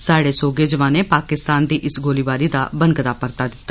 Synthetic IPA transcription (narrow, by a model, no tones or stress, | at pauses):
saːɽeːsoːɡeːd͡ʒəʋãːneːpaːkɪst̪aːnd̪iːʔɪsɡoːliːʋaːɾiːd̪a̰ːbənɡd̪aːpəɾt̪aːd̪ɪt̪ːaː